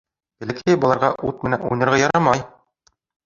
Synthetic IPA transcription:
ɘ̆lɘ̆kæjbɒlˠɑɾʁɑʔut̪̚mɘ̆nænṵjnɤ̆ɾʁɑjɒɾɑmɑj

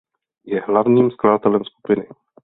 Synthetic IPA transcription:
jɛɦlavɲiːmskladat̪ɛlɛmsku̥pɪnɪ

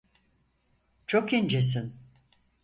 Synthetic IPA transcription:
t͡ʃʰo̞kind͡ʒes̬in

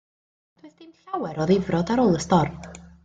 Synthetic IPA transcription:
d̥ʰwɪθd̥ɪmɬawɛɾɔðɪvrɔdaɾoːlˠəstɔrm

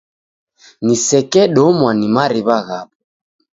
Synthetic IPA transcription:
nisɛkɛɗɔmwanimaɾiβaɣap

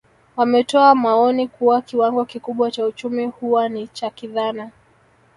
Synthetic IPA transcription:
wamɛtɔamaɔnikuwakiwaŋɡɔkikuɓwat͡ʃaut͡ʃumihuwanit͡ʃakiðana

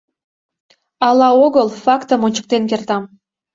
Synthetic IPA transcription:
ɑlɑoɣəlˠfɑkt̪əmonʲt͡ɕə̥k̚t̪enk̬ert̪ɑm

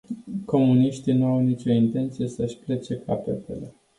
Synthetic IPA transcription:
ko̞muniʃt̪inuawnit͡ʃo̞int̪e̞nt̪sije̞səʃʲple̞t͡ʃe̞kapet̪e̞̰le̞

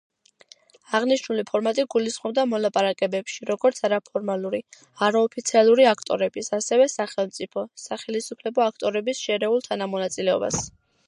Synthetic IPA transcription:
aʁniʃnulipʰɔɾmat̪ʼiɡulisχmɔb̚d̪amɔlˠapʼaɾakʼɛbɛpʃiɾɔɡɔɾt̪sʰaɾapʰɔɾmalˠuɾi | aɾaɔpʰit̪sʰialˠuɾiakʰt̪ʼɔ̰ɾɛbisasɛvɛsaχɛlˠmt̪sʼipʰɔsaχɛlisupʰlɛbɔakʰt̪ʼɔɾɛbisʃɛɾɛulˠt̪ʰanamɔnat̪sʼilɛɔ̰ba̰s

